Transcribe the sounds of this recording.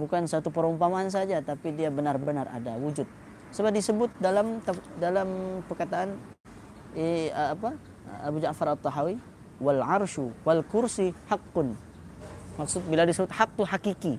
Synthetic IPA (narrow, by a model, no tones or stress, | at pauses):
bukansat̪upəɾumpamaːns̬ad͡ʒat̪apidiabənarbənara̰dawud͡ʒʊt̪̚ | səbap̚disəbʊt̪̚dalamt̪afdalampərkat̪aʔan | pa | abud͡ʒaʔfaɾat̪ˤːɑɦawi | walʕarʃuwalkʊrsihaqːʊn | maksʊt̪̚biladisəbʊt̪̚hak̚t̪uɦakiki